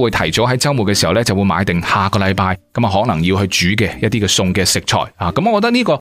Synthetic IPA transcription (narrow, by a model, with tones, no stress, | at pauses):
wuː˨˧jt̪ʰɐ˨˩jt͡so˨˥ɦɐ˨˥jt͡sɐ˥ŋwu˨t̚kɛ˧siː˨˩hɐ˨˩wlɛː˥t͡sɐ˨wu˨˧jma̰ː˨˧jt̪ɪ˨ŋhaː˨kɔː˧lɐ˨˧jpaː˧jkɐ˨˥maː˨ɦɔː˨˥k̚nɐ˨˩ŋjiː˧whɵ˧jt͡ʃyː˨˥k̬ɛː˧jɐ˥t̪̚iː˥kɛː˧sʊ˧ŋkɛː˧sɪ˨k̚t͡ʃʰɔ̰ː˨˩jaː˨˩kɐ˨˥mɔː˨˧kɔ˧t̪ɐ˥kniː˥kɔː˧